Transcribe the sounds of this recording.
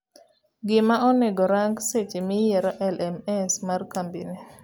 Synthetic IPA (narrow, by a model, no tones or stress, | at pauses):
ɡɪmaɔnɛɡɔɾaŋɡset͡ʃimijɛɾɔʔɛlɛmɛnsmarkambḭni